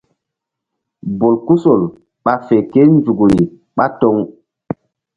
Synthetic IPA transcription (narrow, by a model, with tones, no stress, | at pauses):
bo˨lku˦so˨l | ɓa˦fe˨ke˦n˦zu˨ɡu˨ɾi˨ | ɓa˦tɔ˦ŋ